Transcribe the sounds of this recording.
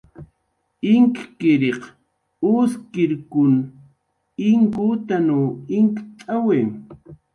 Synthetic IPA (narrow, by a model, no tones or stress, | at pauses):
ɪŋkkɪɾeq | ʊskɪɾkʊn | ɪŋkut̪anoːɪŋkt͡sʼawe